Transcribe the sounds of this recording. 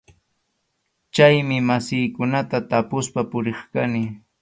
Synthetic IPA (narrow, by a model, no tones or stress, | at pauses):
t͡ʃajmɪmasɪjkʊnat̪at̪apʊspapʊɾeχkanɪ